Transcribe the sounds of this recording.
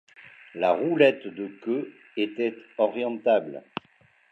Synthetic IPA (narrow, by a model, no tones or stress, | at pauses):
laʁulɛt̪d̪əkø | et̪ɛt̪ɔʁjɑ̃t̪abl